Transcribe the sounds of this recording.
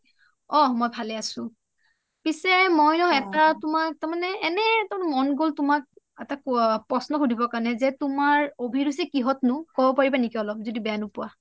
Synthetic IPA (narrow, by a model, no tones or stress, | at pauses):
ɔmɔjbʱalɛasʊ̃ | pisɛmɔjɔɛtatʊmak̚taɹmanɛːnɛtamanɛmɔnɡoltʊmak̚ | ɛtapɹɔsnɔxudʱibɔkanɛzɛtʊmaɹobʱiɹusikiɦɔtnʊkɔbɔpaɹibanikiɔlɔp̚zodibɛjanʊpʊwa